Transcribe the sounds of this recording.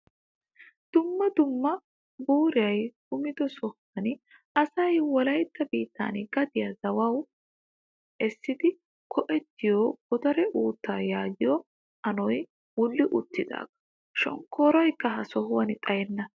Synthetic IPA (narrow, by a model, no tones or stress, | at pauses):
d̪̥ʊmːɐd̪ʊmːɐ | buːɾɪjɐjkʊmɪd̪ɔsɔh | ɐn | ʔɐsɐjwɔlɐjt̪ːɐbiːt̪ʰːa̰ːnɡɐd̪ɪjɐzɐwɐw | ʔɛsːɪd̪ɪ | kʰɔʔɛt̪ːɪjoːɡ̥ɔd̪ɐɾɛʔuːt̪ːaːjaːɡɪjɔ | ɐnɔj | wʊlːɪʔʊt̪ːɪd̪a̰ːɡɐ̥ | ʃɔ̰ŋkːoːɾɐjkːɐɦɐsɔhʊwɐnɪt̪ʼɐjɛnːɐ